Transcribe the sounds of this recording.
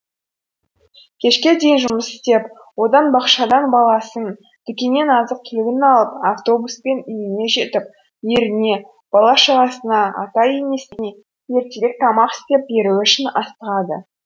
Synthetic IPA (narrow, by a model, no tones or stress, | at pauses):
kʲʰe̞ʃkʲe̞d̪e̞jɪnʒʊməsɪ̥st̪e̞p | wo̞d̪ɑnbɑqʃɑd̪ɑnbɑlˠɑsən | d̪̥ɪkʲene̞nɑzəq̚kʲʰɪlɪɡʲɪnɑlˠəpaft̪o̞buspe̞nʏjɪne̞ʒe̞t̪ɪp̚ | je̞ɾɪne̞ | b̥ɑlˠɑʃəʁɑsənɑɑ̰t̪ɑjeme̞sɪne̞ | je̞ɾt̪eɾek̚t̪ʰɑmɑqɪ̥st̪e̞p̚be̞ɾuʏʃɪnɑst̪əʁɑd̪ə̰